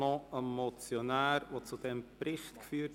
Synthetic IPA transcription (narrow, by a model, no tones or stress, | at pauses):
ɔəmɔt͡sjonæːɾʋot͡sud̥ɛmpɾɪχtkfyːt